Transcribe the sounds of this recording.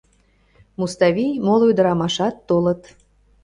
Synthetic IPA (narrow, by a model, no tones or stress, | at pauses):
must̪ɑβʲijmolˠojd̪əɾɑmɑʃɑt̪ːolə̆t̪